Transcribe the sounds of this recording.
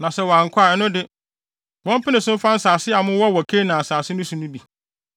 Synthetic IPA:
nã˨sɛ˦˨wɔ˨a˨ŋ̩˨kʷʰa˦˨ɛ˦nʊ̃˦dɪ˦ | wɔ̃˦m˦pʰɪ˦nɪ̃˨sʊ̃˦m̩˦fã˦n̩˦saː˨sɪ˦a˨mʊ̃˦wɔ˦wɔ˨kʰe˦nã˨a˨saː˨sɪ˦nʊ̃˦sũ˨nʊ̃˦bi˨

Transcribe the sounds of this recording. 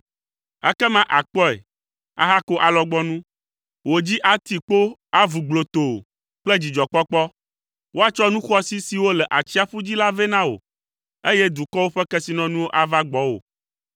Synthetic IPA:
ɛ̰˦kɛ˦mã˦ʔa˨k͡pɔ˦ḛ˨ | a̰˨ɦa˦ko˦ʔa˨lɔ˦ɡ͡bɔ˦nũ˦ | wo˨d͡ʑi˦ʔa˨t̪i˨k͡po˦a˦vu˨ɡ͡blo˨t̪o˨ | k͡plɛ˦d͡ʑi˨d͡ʒɔ˨k͡pɔ˦k͡pɔ˦ | wʔo˦a˨t͡ʃɔ˦nũ˦xɔ˦si˦si˨wo˦lɛ˨ʔa˨t͡ɕi˦a˨ɸu˦d͡ʑi˦la˦vɛ˦nã˦wo̰˨ | e˦jɛ˦d̪u˨kɔ˦wo˦ɸɛ˦kɛ˦si˨nɔ̃˦nũ˦wo˦ʔa˨va˦ɡ͡bɔ˦wo̰˨

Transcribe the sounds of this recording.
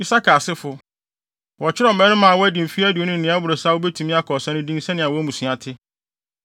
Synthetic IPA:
i˦sa˦kʰa˨sɪ˦fʊ˦ | wɔ˨t͡ɕʰɪ˦ɾɛ˦˨mɛ̃˦nʊ̃˦mã˨wɔ˦æ˦dĩ˨m̩˨fi˦æ˦dɪ˨o˦nʊ̃˦n̩ː˨nɪ̃˦a˦bʊ˨ɾo˨saː˦wo˦bɛ˦tʰũ˨mĩ˦a˦kʰɔ˨sɛ̃˦nʊ̃˦dĩ˦n˦sɛ̃˦nɪ̃˨a˨wɔ˦æ˦mũ˨sɥ̃a˨tʰɪ˦

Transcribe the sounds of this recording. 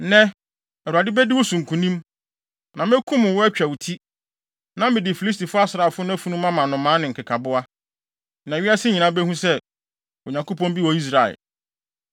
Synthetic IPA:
nɛ̃˦ | ɛ˨u˨a˨dɪ˦bɛ˦dɪ˦wʊ˦sũ˨ŋ̩˨kʰũ˨nĩ˦m | nã˨m˦ɛ˦kʰũ˦mʊ̃˨wʊ˦æ˦t͡ɕᶣæ˨wu˨tʰi˦ | nã˦mɪ̃˨dɪ˨fi˨li˦s̬ti˨fʊ˦a˦sɾa˨fʊ˦n˦æ˦fu˨˦nũ˦mã˦mã˨nʊ̃˨mã˨˦nɪ̃˨ŋ̩˨kʰɪ˨kʰa˨bʊ˦a˦ | nã˨ɥi˦a˦sɪ˦ɲĩ˨nã˦bɛ˦hũ˦sɛ˦ | o˨ɲã˨ŋko˦pɔ̃˦nbi˦wɔ˨i˦s̬ɾa˨ɛ̰˨l

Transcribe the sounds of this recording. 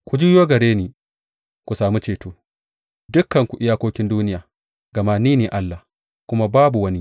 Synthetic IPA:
kʷu˨d͡ʒuː˦joː˦ɡɐ˨ɽeː˦niː˨ | kʷu˨saː˨mu˦t͡ʃeː˨toː˦ | dʊ˦kːɐ˨ŋkʷu˨ʔɪ˦jaː˦kʷoː˦kʲɪ˦nduː˦nɪ˦jaː˨ | ɡɐ˨maː˦niː˦neː˨ʔa˦lːa˨ | kʷʊ˦ma˦baː˦bu˨wɐ˦ni˦

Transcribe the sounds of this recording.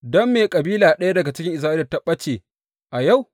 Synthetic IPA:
dɔ˦mːeː˨kʼɐ˨biː˦laː˨ɗɐ˦ja˦dɐ˨ɡa˨t͡ʃɪ˦kʲɪ˦ŋʔɪ˨s̬aː˦ʔɐ˨tɐ˦ɓɐ˦t͡ʃeː˨ | ʔa˨ja˦˨w

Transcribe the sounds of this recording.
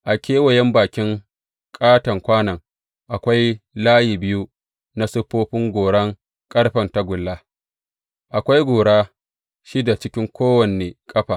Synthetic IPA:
ʔa˨kʲʰeː˦wɐ˨jɛ˦mbaː˨kʲɪ˦ŋ | kʼaː˦tɐ˨ŋkʷaː˦nɐ˨ŋ | ʔa˨kʷa˦jlaː˦ji˨bɪ˦ju˦ | na˦sʊ˦ɸoː˦ɸɪ˦ŋɡʷoː˨ɽɐ˦ŋ | kʼɐ˦ɽɸɐ˨nta˦ɡʷʊ˨lːa˦ | ʔa˨kʷa˦jɡʷoː˨ɽaː˦ | ʃiː˦da˨t͡ʃɪ˦kʲɪ˦ŋkʷoː˦wɐ˨ne˨kʼɐ˦ɸaː˨

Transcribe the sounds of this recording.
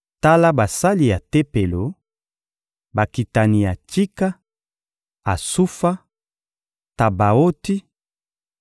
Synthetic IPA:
ta˦la˦ba˨sa˦li˨ja˨te˦pe˨lo˨˦ | ba˨ki˨ta˨ni˨ja˨t͡ʃi˦ka˦ | a˨su˦fa˦ | ta˨ba˨o˦ti˦

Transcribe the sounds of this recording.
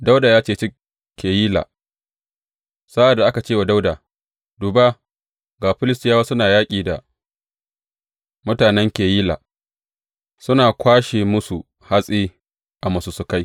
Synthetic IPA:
da˦wdaː˨jaː˦t͡ʃeː˦˨t͡ʃɪ˦ | kʲːeː˨jiː˦la̰ː˨ | sa˦ʔa˨dːa˨ʔa˦ka˨t͡ʃeː˦˨wa˨da˦wdaː˨ | du˨ba˦ | ɡaː˨ɸɪ˦lɪ˦stɪ˦jaː˦wa˦sʊ˦naː˨jaː˦kʲʼiː˨da˨ | mʊ˦taː˨nɛ˦ŋkʲeː˨jiː˦la̰ː˨ | sʊ˦naː˨kʷaː˦ʃeː˨mʊ˦su˨ | ha˦sʼiː˦ | ʔa˨mɐ˨su˦sʊ˦ka˦j

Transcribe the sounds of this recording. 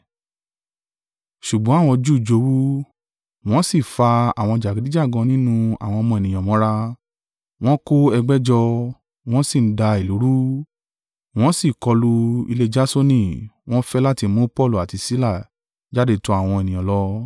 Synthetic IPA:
ʃu˨ɡ͡bɔ̃˨˦a˦˨w̃ɔ̃˧d͡ʒu˦˨d͡ʒo˨˦wu˦ | w̃ɔ̃˦si˦˨fa˧a̰˨w̃ɔ̃˧d͡ʒa˨ɡi˨di˦d͡ʒa˦˨ɡɔ̃˧nĩ˦nũ˧a̰˨w̃ɔ̃˧mɔ̃˧ɛ˨nĩ˨j̃ɔ̃˨mɔ̃˨˦ɾa˧ | w̃ɔ̃˦ko˦ɛ˧ɡ͡bɛ˦d͡ʒɔ˧ | w̃ɔ̃˦si˦˨˦da˧i˨lu˨˦ɾu˦ | w̃ɔ̃˦si˦˨kɔ˧lu˧ḭ˧le˧d͡ʒa˦so˦nĩ˦˨w̃ɔ̃˦fɛ˦la˦ti˧mũ˦pɔ˦˨lu˨a˨ti˧si˦la˦˨ | d͡ʒa˦de˦tu˦a˦˨w̃ɔ̃˧e˨nĩ˨ɔ̃˨lɔ˦

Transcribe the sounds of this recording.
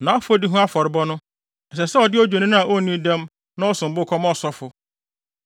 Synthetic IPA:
nã˨˦ɔ˦fʊ˦ɔ˦di˦ɦʊ̃˦a˦fɔ˨ɾɪ˨bɔ˦nʊ̃˦ | ɛ˨s̬ɛ˨sɛ˦ɔ˨dɪ˦ɔ˦d͡ʑᶣe˨nĩ˦nʊ̃˦a˨ʔo˦nĩ˦dɛ̃˦m | nã˦ɔ˦sʊ̃˨m̩˨bʊ˦kʰɔ˦mɔ˦sɔ˦fʊ˨

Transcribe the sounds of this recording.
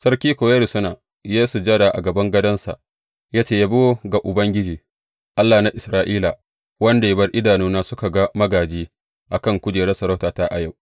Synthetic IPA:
sɐ˦rkʲiː˦kʷoː˨jɐ˦ɾi˨sʊ˦naː˨ | jeː˦su˨d͡ʒɐ˦ɽaː˨ʔa̰˨ɡɐ˨bɐ˦ŋɡɐ˦dɐ˦nsa̰˨ʔ | jaː˦t͡ʃeː˦˨ja˦bo˦ɡa˨ʔʊ˨bɐ˦ŋɡʲɪ˦d͡ʒiː˨ | ʔa˦lːaː˨na˦ʔɪ˨sɾaː˨ʔiː˦la˨ | wɐ˦nda˨bɐ˦rʔɪ˦daː˨nuː˦naː˦sʊ˦ka˨ɡa˦mɐ˦ɡaː˨d͡ʒiː˦ | ʔa˨kɐ˦˨ŋkʷʊ˦d͡ʒeː˨ɾɐ˦sɐ˨ɾɐ˦wtaː˨taː˦ʔa˨ja˦˨w

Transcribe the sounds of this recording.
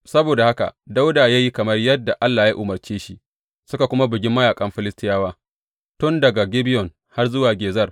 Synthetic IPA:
sɐ˦boː˨da˨ha˦ka̰˨da˦wdaː˨jaː˦ji˦kɐ˨mɐ˦rjɐ˦dːa˨ʔa˦lːaː˨ja˦ʔʊ˨mɐ˨rt͡ʃeː˦ʃi˦ | sʊ˦ka˨kʷʊ˦ma˦bɪ˨ɡʲɪ˦mːɐ˦jaː˨kʼɐ˦mɸɪ˦lɪ˦stɪ˦jaː˦waː˦ | tʊ˦ndɐ˨ɡa˨ɡʲɪ˦bɪ˦jɔ˨n | ha˦rzʊ˦waː˨ɡʲeː˨zɐ˦r

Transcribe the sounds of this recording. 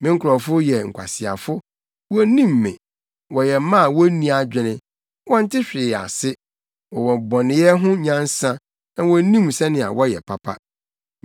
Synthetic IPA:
mɪ̃˦ŋ̩˦kʰʊ˨ɾɔ˨fʊ˦jɛ˨ŋ̩˨kʷʰa̰˨sɪ˨a̰˨fʊ˦ | wɔ˦nĩ˦˨mː˨ɪ̰̃˨ | wɔ˨jɛ˨˦mã˦˨wɔ˦nĩ˦a˨d͡ʑᶣɪ˨nɪ̃˦ | wɔ˦n̩˦tʰɪ˦ɕᶣɪ˨a̰˨sɪ˦ | wɔ˨wɔ˨bɔ̃˨nɪ̃˨˦jɛ˦ɦʊ̃˦ɲã˦n˦sã˦ | nã˨wɔ˦nĩ˦msɛ˦nɪ̃˨a̰˨wɔ˦jɛ̰˨pʰa˨pʰa̰˦

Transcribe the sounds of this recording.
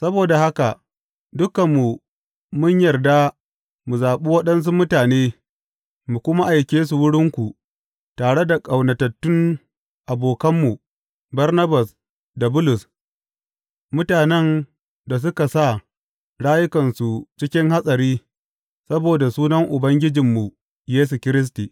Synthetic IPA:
sɐ˦boː˨da˨ha˦ka˨ | dʊ˦kɐ˨mːu˨ | mʊ˦ɲjɐ˨rda˦ | mu˨zaː˨ɓu˦wɐ˦ɗɐ˦ns̬u˦mʊ˦taː˨neː˦ | mu˨kʷʊ˦ma˦ʔa˨jkʲeː˦s̬u˨wʊ˦ɽɪ˦ŋkʷu˨ | taː˨ɽe˦da˨kʼɐ˨wnɐ˨tɐ˨tːʊ˦n | ʔa˨boː˨kɐ˦mːu˨ | bɐ˦rnɐ˦bɐ˨s | da˨bʊ˦lʊ˨s | mʊ˦taː˨nɛ˦n | da˨s̬ʊ˦ka˨sa˦˨ | ɽaː˦jʊ˦kɐ˨nsu˨t͡ʃɪ˦kʲɪ˦ŋha˦sʼɐ˨ɾiː˦ | sɐ˦boː˨da˨suː˦nɐ˦ŋʔʊ˨bɐ˦ŋɡʲɪ˦d͡ʒɪ˨mːu˨ | jeː˦s̬u˨kʲɪ˦ɾɪ˦s̬tiː˨

